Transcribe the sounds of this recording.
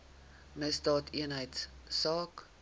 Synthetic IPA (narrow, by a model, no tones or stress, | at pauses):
məsdɑːtʰiənɦəjtssɑːk